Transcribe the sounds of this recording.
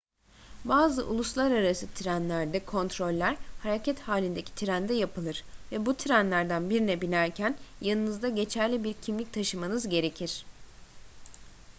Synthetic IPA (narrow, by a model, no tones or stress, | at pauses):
baːzɯ̰ʔṵlˠuslˠaɾaɾasɯt̪ʰiɾænlʲæɾd̪ɛkʰo̞nt̪ɾo̞lʲːæɾ̥haɾacʰɛt̪haːlʲind̪ecʰi̥t̪ʰiɾænd̪ɛjapɯlˠɯɾ̥vɛbut̪ʰiɾænlʲæɾd̪ænbiɾinɛbinæɾcʰænjanˠɯnɯzd̪aɟe̞t͡ʃʰæɾlʲibiɾcʰimlʲic̚t̪ʰaʃɯmanɯzɟe̞ɾe̞cʰiɾ̥